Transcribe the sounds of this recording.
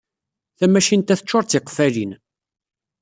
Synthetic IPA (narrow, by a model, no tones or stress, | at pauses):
θæmæʃint̪æθə̥t͡ʃːʊɾˤt͡s̪ːɪqfælin